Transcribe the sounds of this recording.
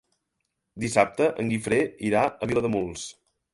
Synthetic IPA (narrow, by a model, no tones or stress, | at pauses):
d̪isap̚t̪əʔəŋɡifɾeiɾaəβiləðəmulˠs